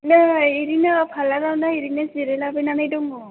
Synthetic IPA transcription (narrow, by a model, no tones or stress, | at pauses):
naiɾinapʰalaɾawnaiɾinaziɾɛlabenanajdɔŋɔ